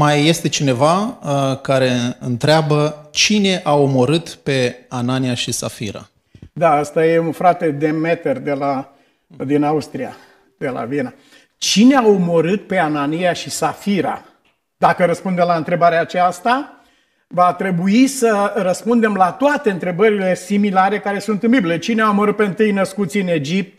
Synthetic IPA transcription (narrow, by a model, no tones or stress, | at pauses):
majːe̞st̪e̞t͡ʃine̞vakaɾe̞ɨ̰nt̪ɾeabət͡ʃine̞ʔaomoɾɨt̪pe̞ananiaʃisa̰fḭɾa̰ | d̪aəst̪aje̞unfɾat̪e̞d̪e̞me̞t̪erd̪e̞la | d̪inaust̪ɾia̰ | d̪̥e̞la̰viena | t͡ʃineaomoɾɨt̪̚pe̞ananijaʃisafiɾa̰ | d̪̥akəɾəspund̪elaɨnt̪ɾe̞baɾeaːt͡ʃast̪a | vat̪ɾe̞buisərəspund̪e̞mlat̪oat̪e̞ɨnt̪ɾe̞bəɾile̞similaɾe̞kaɾe̞sunt̪ɨmbibile̞t͡ʃineaoməɾɨt̪̚pe̞ɨnt̪ɨjnəskut̪siɨne̞d͡ʒip̚t̪̚